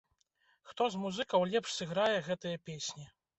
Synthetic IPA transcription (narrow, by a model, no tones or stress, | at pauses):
xt̪ɔzmuzɨkɐwlʲɛpʂsɨɣɾajɛɣɛt̪ɨjɐpʲesʲnʲi